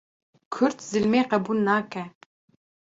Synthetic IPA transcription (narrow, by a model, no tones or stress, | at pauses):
kʰʊɾt̪zɨlmeːqɐbuːlnaːkʰɛ